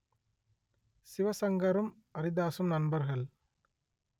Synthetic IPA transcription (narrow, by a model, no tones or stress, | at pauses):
sɪʋɐsɐŋɡɐɾɯm | ɐɾɪðaːsɐmnɐnbɐɾɣɐɭ